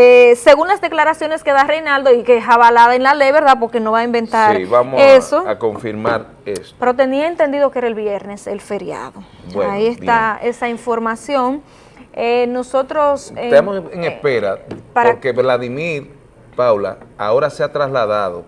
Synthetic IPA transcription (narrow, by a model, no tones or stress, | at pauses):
ese̞ɣunlasd̪e̞klaɾasjo̞ne̞ske̞ðarejnald̪o̞ikeesaβalaðaenlale̞jβe̞ɾðap̬o̞ɾke̞no̞βaimbe̞nt̪aɾiβamoesoako̞ɱfiɾmaɾ | espeɾot̪e̞niaent̪e̞nd̪iðo̞kee̞ɾaelβje̞ɾne̞se̞lfe̞ɾja̰ðo | bweaiest̪ae̞saiɱfo̞ɾmasjo̞ŋ | eno̞so̞t̪ɾo̞set̪emoseŋespeɾapaɾoɾkeβlaðimiɾ | pawla̰ao̞ɾaseat̪ɾaslaðaðo̰